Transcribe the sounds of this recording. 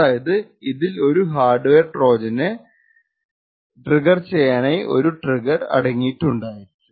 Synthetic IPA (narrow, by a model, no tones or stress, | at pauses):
aːjɐðɨiðilo̞ɾuɦaːrɖʋeːrʈro̞ːd͡ʑɐnɨ | ʈriɡɐrt͡ɕejːaːɳɐjʔo̞̰ɾuʈriɡɐrɐ̰ɽɐŋːijʈːuɳɖaːjiiʈːu